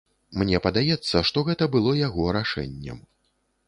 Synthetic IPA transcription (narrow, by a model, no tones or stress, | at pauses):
mnʲɛpɐd̪ajɛt̪sːɐʂt̪ɔɣɛt̪ɐbɨlˠɔjaɣɔɾaʂɛ̰nʲːɛ̰m